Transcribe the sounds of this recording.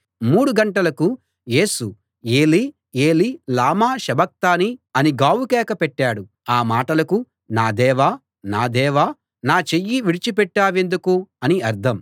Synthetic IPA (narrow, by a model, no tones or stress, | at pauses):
muːɽuɡɐɳʈɐlɐku | je̞ːsu | eːli | eːlilaːmaːʃɐbɐk̚t̪aːniɐniɡaːwukɛːkɐpɛʈːaːɽu | aːmaːʈɐlɐku | naːd̪ɛːʋaː | naːd̪ɛːʋaː | naːt͡ʃejːiʋiɽit͡ʃipɛʈːaːʋe̞nd̪ukuɐniɐɾd̪ʰʱɐm